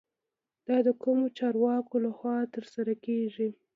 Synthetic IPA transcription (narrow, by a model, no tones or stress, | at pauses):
d̪̥ɑd̪əkumot͡ʃɑɾwɑkolaxwɑt̪əɾsaɾakeʒi